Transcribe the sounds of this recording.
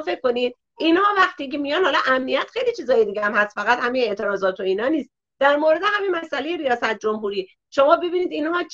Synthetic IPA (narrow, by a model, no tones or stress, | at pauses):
fe̞kːo̞nid̪̚ | ʔinhɒːvæxt̪iːcemijɒnhɒːlɒʔæmnijæt̪xejlit͡ʃʰiːzɒːjed̪iːɟeæmhæst̪fæɣæt̪hæmine̞ʔt̪ʰe̞ɾɒːzɒːt̪ʰo̞iːnɒːniːst̪̚ | d̪æɾmoːɾe̞d̪e̞hæminmæsʔælejeɾijɒːsæt̪̚d͡ʒo̞mɦuɾiː | ʃomɒːbe̞biːniːd̪inhɒːt͡ʃ